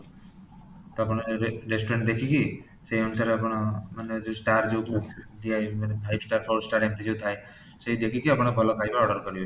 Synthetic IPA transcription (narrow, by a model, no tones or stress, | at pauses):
t̪apɔɽ̃eɾesʈɾeɳʈd̪ekʰiki | seiɔnsaɾapɔɽ̃maned͡ʒosʈaɾd͡ʒewt̪ʰd̪ijajmanepʰajbsʈaɾpʰɔwsʈaɾempɾid͡ʒewt̪ʰaj | seid̪ekʰikiapɔɽ̃ebɔlɔkʰajbaɔɖɔɾkɔɾibɔ